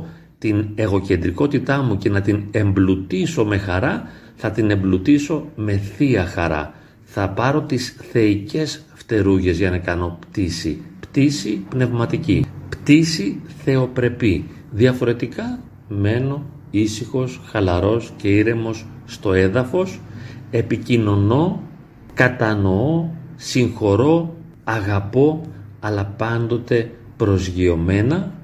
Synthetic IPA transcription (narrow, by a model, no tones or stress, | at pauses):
t̪ine̞ɣo̞ce̞nd̪ɾiko̞t̪it̪ɐmuce̞nɐt̪ine̞mblut̪iso̞me̞xɐɾɐ | θɐt̪ine̞mblut̪iso̞me̞θiɐxɐɾɐ̰ | θɐpɐɾo̞t̪isθe̞ice̞s | ft̪e̞ɾuʝe̞zʝɐnɐkɐno̞pt̪isḭpt̪isipne̞vmɐt̪icipt̪isiθe̞o̞pɾe̞pi | ðiɐfo̞ɾe̞t̪ikɐ | me̞no̞ | isixo̞sxɐlɐɾo̞sce̞iɾe̞mo̞sːt̪o̞e̞ðɐfo̞se̞picino̞no̞ | kɐt̪ɐno̞osiŋxo̞ɾo̞ | ɐɣɐpo̞ɐlɐpɐnd̪o̞t̪e̞ | pɾo̞zʝio̞me̞nɐ